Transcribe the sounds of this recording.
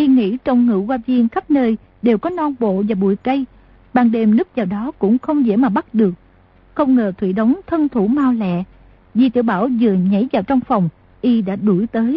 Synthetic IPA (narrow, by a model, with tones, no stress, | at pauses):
ʔi˧ŋḭ˧˥t͡ɕɔ˧wŋ͡mŋɨ̰˧˥waː˧vi˧ənxa˦˥p̚nəː˧j | ɗe˨˩wkɔ˨˦nɔ˧nɓo̰˧˨vaː˨˩ɓṵ˧˩əjkə˧j | ɓa˨˩ŋɗe˨˩mnɨ˦˥k̚vaː˨˩wɗɔ˨˦kʊ̰˧˥ŋ͡mxə˧wŋ͡mzɛ̰˧˥˩maː˨˩ɓa˦˥t̚ɗɨ˨˩ək̚ | xə˧wŋ͡mŋəː˨˩t̪ʰwḭ˧˩ɗə˨˦wŋ͡mt̪ʰə˧nt̪ʰu˧˩maː˧wlɛ̰˧˨ | zi˨˩t̪ɨ̰˧˨əɓaː˧˩wzɨ˨˩əɲa˨˥jvaː˨˩wt͡ɕɔ˧wŋ͡mfɔ˨˩wŋ͡m | ʔi˧ɗa̰ː˧˥ɗu˧˩jt̪əː˨˦j